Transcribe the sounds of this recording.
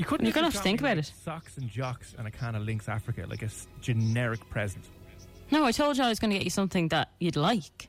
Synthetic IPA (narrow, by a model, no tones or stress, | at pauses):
jəkʰʊjəɡ̃nəaftθɪ̃ŋkəbaʊɾɪtsɑksə̃nd͡ʒɑksə̰̃nəkʰãɪnəlɪ̃ŋksa̰fɹɪkə̰la̰ɪkəsd͡ʒənɛɹɪk̚pʰɹ̥ɛzə̃nsnoʊaɪtʰoʊlˠd͡ʒəaɪɪzɡ̥ʌnəɡɛt͡ʃəsʌ̃mθɪ̃ŋðət͡ʃədˡlaɪk